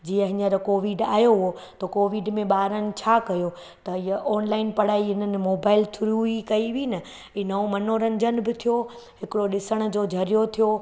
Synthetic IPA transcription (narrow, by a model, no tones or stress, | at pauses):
d͡ʑiːə̃ɦɪ̃ɲəɾkoːʋɪɖa̰ːjoɦʊɦo | t̪ɐkoːʋɪɖmẽɓaːɾənɪ̆t͡ɕʰaːkɐjo | t̪ɐijəʔɔːnlaːɪnpɐɽ̤aːiɦɪn̤ənɪ̆moːbaːɪlt̪ʰʊɾuɦikɐiʋiːnɐ | inɐõmɐnoːɾɐnɪd͡ʑənɪ̆bɪt̪ʰijo | ɦɪkɪɽoɗɪsəɽ̃ʊ̆d͡ʑoːd͡ʑʱɐɾijot̪ʰijo